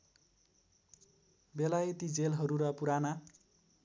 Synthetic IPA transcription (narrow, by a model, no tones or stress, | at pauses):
belajet̪id͡zelɦʌɾuɾʌpuɾana